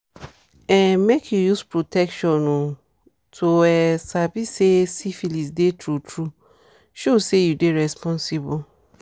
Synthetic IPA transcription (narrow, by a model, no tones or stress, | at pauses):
ɛ̃nmekʰjujuspɹotʰɛkʃɔ̃nũ | tʰoɛsabisesifilis̬detʰɹutʰɹu | ʃosejudeɹɛspʰɔ̃nsibu